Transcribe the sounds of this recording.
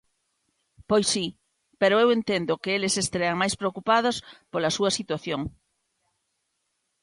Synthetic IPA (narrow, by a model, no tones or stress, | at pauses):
pojsːi | peɾoewent̪end̪ʊkɪelesest̪ɾeaŋmajspɾeokupað̞ospolɐsuɐsit̪waθjoŋ